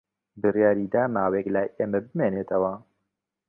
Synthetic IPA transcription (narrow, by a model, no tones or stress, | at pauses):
bɨrjaːɾiːd̪aːmaːweklajʔeːmɐbɨmeːneːt̪ʰɐwɐ